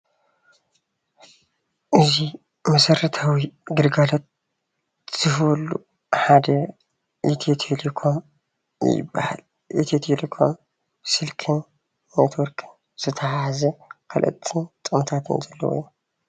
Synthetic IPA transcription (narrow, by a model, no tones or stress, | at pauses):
ʔɨzi | mɐsɐɾɐt̪ʰawiɡɨɾɡalot̪̚ | z̥ɨhwolːu | ħad̪ɐ | ʔit̪ʰet̪ʰelekʰo̞m | jɪ̰bːɐ̰ha̰l | ʔḭt̪ʰet̪ʰelekʰo̞m | sɨlkʰɨnː | et̪ʰwɔɾkʰɨn | z̥ɨt̪ʰɐhahzɐkʰɐlʔɨ̰t̪ʼʰːɨnt̪ʼɨmt̪ʰat̪ʰɨ̰nzɐlːɐ̰wɔ̰jːu